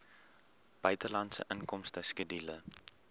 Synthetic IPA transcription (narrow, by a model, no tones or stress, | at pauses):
b̥œɥtəlɐntsə̰ʔənkɔmstəskədilə